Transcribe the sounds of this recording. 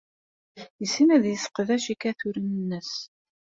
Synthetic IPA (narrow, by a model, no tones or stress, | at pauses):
jəsːinæðjəsə̥qəðæʃikæθʊɾənənːəs